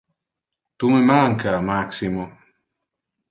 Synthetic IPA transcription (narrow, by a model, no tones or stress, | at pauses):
t̪umemaŋkamaksimo